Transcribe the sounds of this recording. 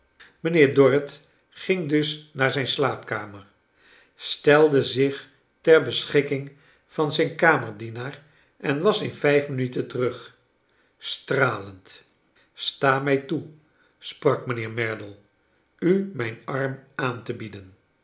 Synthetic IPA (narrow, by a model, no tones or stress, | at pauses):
mənɪːɹdɔɹət | χɪŋdɵsnaːɹzɛjnslaːpkaːməɹ | stɛlˠdəzɪχ | tɛɹbəsχɪkɪŋ | v̥ɑnzɛjnkaːməɹdinaːɹ | ʔɛnʋɑsɪnvɛjfmənytəntərɵχ | straːlənt | staːmɛjtu | sprɑkmənɪːɹmɛɹdəlˠ | ymɛjnɑɹmʔaːntəbidən